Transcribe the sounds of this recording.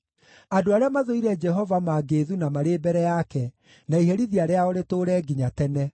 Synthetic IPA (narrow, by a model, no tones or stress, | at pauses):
adoaɾeamaðoiɾɛd͡ʒɛɦɔvamaɡeðunamaɾebɛɾɛjakɛ | naiɦɛɾiðiaɾeaɔɾetoɾɛːɡiɲatɛnɛ